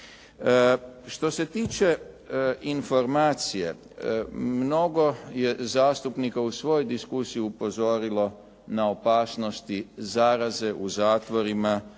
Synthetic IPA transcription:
ʃt̪o̞se̞t̪iːt͡ʃe̞ | info̞ɾmaːt̪sije̞̰ | mno̞ɡo̞je̞zaːst̪upnikausʋo̞jojd̪iskusijiupo̞zo̞ɾilo̞ | naopaːsno̞st̪izaɾaze̞ʔuzaːt̪ʋo̞ɾima

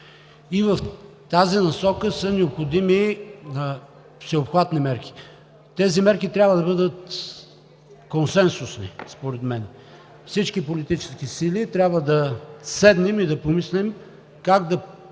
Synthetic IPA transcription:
ivəft̪azinɐsɔkəsənɛopxod̪iminə | fsɛopxvat̪nimɛɾkʲi̥ | t̪ɛzimɛɾkit̪ɾʲabvəd̪ɐbɤd̪ət̪ | konsɛnsʊsnḭspoɾɛt̪mɛn | fsit͡ʃkipolit̪it͡ʃɛ̥skisilit̪ɾʲabvəd̪ɐsɛd̪nɛmid̪ɐpomislɛm | kaɡd̪ɐ

